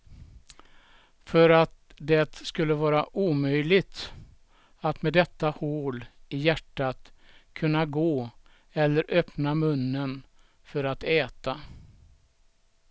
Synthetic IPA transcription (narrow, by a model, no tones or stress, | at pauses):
fœɾat̪̚ | d̪ɛt̪skɵlːəvɑːɾaʔuːmœjlɪt̪ | at̪mɛd̪ɛt̪ːahoːlɪjæʈːat̪kʰɵnːaɡoː | ɛlːəɾʔœpnamɵnːən | fœɾat̪ɛːt̪a